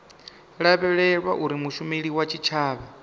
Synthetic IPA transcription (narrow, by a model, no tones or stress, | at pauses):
ɺaβɛɺɛɺwa̰ʔuɾimuʃumeɺiwat͡ʃʰit͡ʃʰaːβa